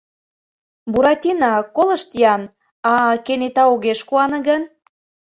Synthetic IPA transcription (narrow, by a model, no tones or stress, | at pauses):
buɾɑtʲinɑkolə̆ʃt̪ijɑn | ɑkenet̪ɑoɣeʃkuɑnɤ̆ɣən